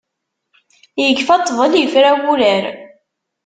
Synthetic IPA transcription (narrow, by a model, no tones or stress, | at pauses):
jəɡfɑt̪ˤːvˤəljəfɾæwuɾəɾ